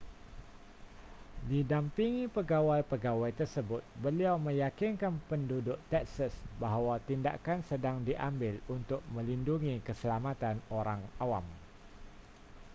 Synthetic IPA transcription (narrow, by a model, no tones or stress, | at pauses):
didampiŋipəɡawajpəɡawajt̪ərsəbʊt̪̚bəliawməjakinkanpəndudʊʔt̪ɛksəsbaɦawat̪inda̰ʔkansədaŋdiʔambɪlunt̪ʊk̚mə̃linduŋikəsəlamat̪anoɾaŋawam